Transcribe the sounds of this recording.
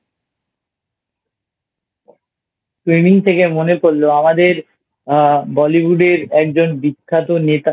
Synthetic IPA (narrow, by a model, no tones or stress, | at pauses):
sʈɾimiŋt̪ʰekemonepoɾloamad̪eɾ | bɔlibuɖeɾɛk̚d͡ʑonbikʰːat̪onet̪a